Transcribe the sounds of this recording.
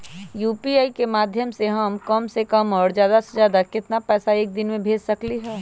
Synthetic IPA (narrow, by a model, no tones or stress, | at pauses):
juːpiaːikemaːd̪ʱjəmseɦɐmkɐmsekɐmɔːɾzjaːd̪aszjaːd̪akɪt̪napɛːsaeːk̚d̪ɪnmẽbʱeːd͡ʒsɐkliɦɛː